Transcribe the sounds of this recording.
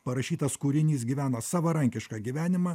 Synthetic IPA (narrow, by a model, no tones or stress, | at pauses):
pɐɾɐʃʲiːt̪ɐskuːɾʲɪnʲiːsɡʲiʋʲæːnɐsɑːʋɐɾɐŋʲkʲɪʃkɑːɡʲiʋʲæːnʲɪmɑː